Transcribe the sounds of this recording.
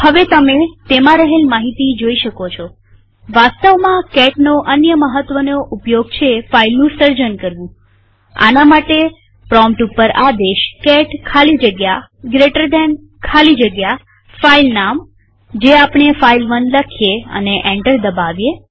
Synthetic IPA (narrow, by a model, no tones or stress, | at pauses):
həʋet̪əmet̪emãɾəɦelmaɦit̪id͡ʒoiʃəkot͡ʃʰo | ʋast̪əʋmãkɛʈnoʔənjəməɦət̪ʋənoʔupjoɡt͡ʃʰefailnũsəɾd͡ʒənkəɾʋũ | a̰namaʈe | pɾɔmpʈupːəɾad̪eʃkɛʈkʰalid͡ʒəɡjaɡɾeʈəɾd̪ɛn | kʰalid͡ʒəɡja | failnam | d͡ʒeapɳ̃efailʋənd̪ləkʰijeə̰neʔẽɳʈəɾd̪əbaʋje